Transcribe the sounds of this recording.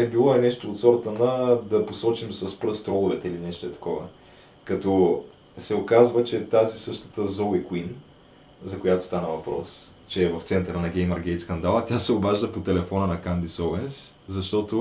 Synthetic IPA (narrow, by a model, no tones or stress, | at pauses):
ɛbilˠɔɛnɛʃt̪oːt̪sɔɾət̪ənɐd̪ɐposɔt͡ʃimsɐspɾɤst̪ɾɔlˠʊvɛt̪ɛilinɛʃt̪oɛt̪ɐ̥kɔvə̰ | kɐt̪ɔ | sɛʊkazvət͡ʃɛt̪azisɤʃt̪ə̥t̪əzɔlɛkwin | zɐkojat̪o̥st̪anəvɐpɾɔ̰s | t͡ʃɛːvɐft̪sɛnt̪əɾənɐɡʲɛjməɾɡɛjt̪skɐnd̪alˠɐt̪ʲasɛobaʒd̪əpot̪ɛlɛfɔnənɐkand̪isɔɛnszɐʃt̪ɔt̪o